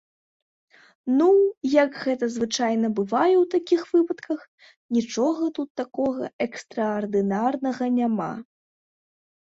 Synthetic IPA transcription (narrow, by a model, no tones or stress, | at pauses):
nujɐkɣɛt̪ɐzvɨt͡ʂajn̪ɐbɨvajɛwt̪akʲixv̥ɨpɐt̪kɐx | nʲit͡ʂɔɣɐt̪ut̪ːakɔɣɐ̰ɛkst̪ɾɐːrd̪ɨnarnɐɣɐnʲama̰